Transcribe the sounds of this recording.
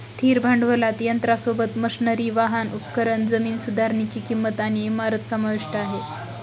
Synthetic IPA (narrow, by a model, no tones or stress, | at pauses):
st̪ʰiːɾbʱaɳɖʋəlat̪jənt̪ɾasobət̪məsnəɾiːʋaɦanupkəɾəɳd͡zəmiːnsud̪ʱaɾɳit͡ɕiːkimːət̪añiemaɾət̪səmaʋiʂʈəaɦe